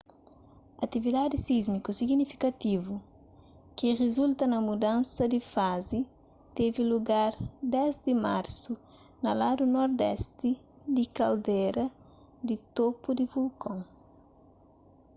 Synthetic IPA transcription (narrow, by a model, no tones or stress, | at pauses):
ɐt̪ivid̪ad̪isizmikusiɡnifi̥kɐt̪ivu | kiʁezult̪ɐnɐmud̪ãnsɐd̪ifazi | t̪eviluɡaɾd̪ɛzd̪imaɾsu | nɐlad̪unɔɾd̪ɛst̪i | d̪ikɐld̪ɛɾɐ | d̪it̪opud̪ivulkʰõŋ